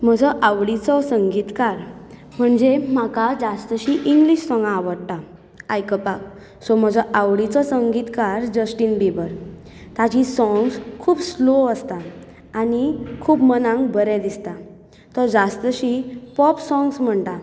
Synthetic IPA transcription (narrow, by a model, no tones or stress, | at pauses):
m̤əd͡zʱɔʔaʋɽit͡sɔsəŋɡiːt̪kaɾ | m̤əɳd͡zem̤akad͡zast̪əɕiʔiŋɡliɕsɔ̃ŋɡaːʋəɽʈa | ajkəpak̚ | sɔm̤əd͡zʱɔʔaʋɽit͡sɔsəŋɡit̪kaɾd͡ʑəsʈinbibəɾ | t̪ad͡ʑisɔ̃ŋɡskʰuːbsloəst̪aː | nikʰuːbmənãŋɡbəɾɛ̃d̪ist̪a | t̪ɔd͡zast̪əɕipɔpsɔ̃ŋɡsm̤əɳt̪a